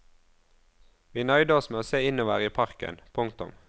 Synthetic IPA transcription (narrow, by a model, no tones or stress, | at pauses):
ʋiːnœʏd̪əɔsmeːoːseːɪnoːʋæːʁəiːpʰɑʁkə̰npʰʊŋkt̪ʊ̰m